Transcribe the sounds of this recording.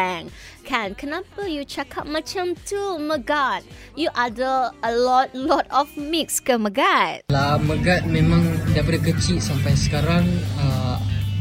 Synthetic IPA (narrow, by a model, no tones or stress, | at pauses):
ɛ̃ŋkʰɛ̃nkʰənapəjut͡ʃakʰat̚mat͡ʃãmtʰuməɡat̚ | juʔadəəlɔt̚lɔtɔfmik̚skəməɡat̚laməɡat̪̚mẽmãŋdajpadakət͡ʃiʔ̚sampajsə̥kaɾaŋə